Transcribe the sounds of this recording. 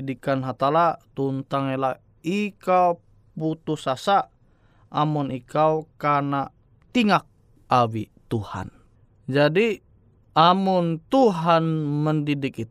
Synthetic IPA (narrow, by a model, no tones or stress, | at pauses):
dikanɦat̪alat̪unt̪aŋɛlah | ikau | put̪usasa | ʔamunikawkana | t̪iŋak̚ | awit̪uha̰n | d͡ʒadi | ʔamʊnt̪uɦanməndidɪkit̪